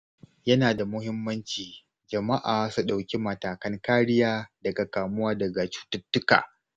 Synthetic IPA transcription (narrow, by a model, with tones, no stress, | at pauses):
jɐ˦naː˨da˨mʊ˦hɪ˦mːɐ˦nt͡ʃiː˨ | d͡ʒɐ˨ma˦ʔaː˨su˨ɗa˨wkʲi˦mɐ˨taː˨kɐ˦ŋkaː˦ɽɪ˦jaː˦dɐ˨ɡa˨kaː˨mʊ˦waː˦dɐ˨ɡa˨t͡ʃu̥ː˦tʊ˦tːʊ˦ka̰ː˨